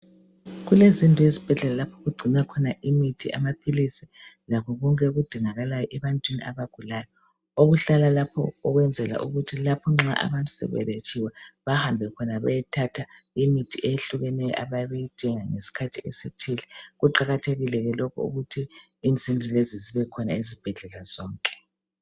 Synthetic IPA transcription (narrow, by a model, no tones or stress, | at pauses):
ɣulezintʼɔezib̥ʱɛɮɛlalapʰɔɣuɡ͡ǀʱinakʰɔnaʔimitʰiʔa̰mapʰilisilaβʰɔɣɔŋkʼɛɣud̥ʱiŋaɣalajɔʔɛβantʼwinḭaβaɡ̥ʱulajɔ | oɣuɬalalapʰɔ̰ɔɣwɛnd͡zʱɛla̰ʔṵɣutʰilapʰɔŋ͡ǁa̰ʔa̰βantʼu̥sɛ̰βɛ̰let͡ʃʰʼiwɛβahambʱɛkʰɔnaβa̰jɛtʰatʰa | imitʰiʔejɬuɣɛnɛjɔ̰ʔaβajβejid̥ʱiŋaŋesi̥kʰatʰiḛsitʰilɛɣuǃaɣatʰeɣilɛɣɛlɔkʰɔ̰ṵɣutʰiː | nt͡sʰʼindʱuleziziβɛkʰɔna̰izib̥ʱɛɮɛlazɔːm̩kʼɛ̥